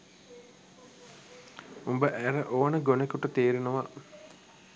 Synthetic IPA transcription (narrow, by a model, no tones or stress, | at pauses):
umbəʔæɾəʔoːnəɡonekuʈət̪eːɾinuʋa